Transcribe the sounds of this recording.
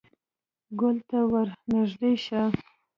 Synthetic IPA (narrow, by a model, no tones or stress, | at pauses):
ɡʊlt̪awaɾnaʒd̪eʃa